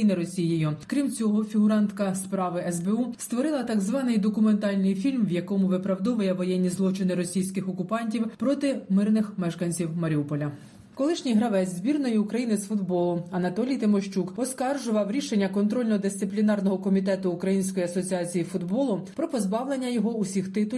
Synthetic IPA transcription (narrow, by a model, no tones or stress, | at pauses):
inɪɾɔsʲijɪjʊkɾʲimt͡sʲɔɦɔfʲiɦʊɾɑnt̪kɐspɾɑʋɪʔɛzbeust̪ʋɔɾɪlˠɐt̪ɐɡzʋɑnɪjd̪ɔkʊment̪ɑlʲnɪjfʲilʲmʋjɐkɔmʊʋɪpɾɐwd̪ɔʋɐjɛʋɔjɛnʲːizlˠɔt͡ʃɪnɪɾɔsʲijsʲkɪxɔkʊpɑnʲtʲiwpɾɔt̪ɪmɪrnɪxmɛʃkɐnʲt͡sʲiwmɐɾʲiupɔlʲɐ | kɔlˠɪʃnʲijɦɾɐʋɛzʲzʲbʲirnɔjiʊkɾɐjinɪsfʊd̪bɔlˠʊɐnɐt̪ɔlʲijt̪ɪmɔʃt͡ʃukɔskɑrʒʊʋɐwɾʲiʃe̞nʲːɐkɔnt̪ɾɔlʲnɔd̪ɪsʲt̪ɪplʲinɑrnɔɦɔkɔmʲit̪ɛt̪ʊːkɾɐjinʲsʲkɔjiɐsɔt͡sʲiɑt͡sʲijifʊd̪bɔlˠʊpɾɔpɔzbɑwlˠe̞nʲːɐjɔɦɔusʲixt̪ɪt̪ʊ